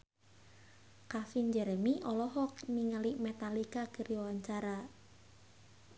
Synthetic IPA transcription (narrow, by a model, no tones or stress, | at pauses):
kafind͡ʒɛɾɛmiʔɔlɔɦɔk̚niŋəlimɛt̪alikakəɾiwawaɲt͡ʃaɾa